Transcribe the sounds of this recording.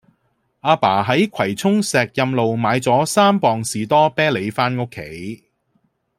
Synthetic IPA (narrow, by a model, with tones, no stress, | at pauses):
aː˧paː˨˩ɦɐ˨˥jkʷʰɐ˨˩jt͡sʰʊ˥ŋsɛː˨k̚jɐ˧mlo˨wmaː˨˧jt͡sɔː˨˥saː˥mpɔː˨ŋsiː˨t̪ɔː˥pɛː˥le˨˧jfaː˥nŋʊ˥kʰːḛ˨˥j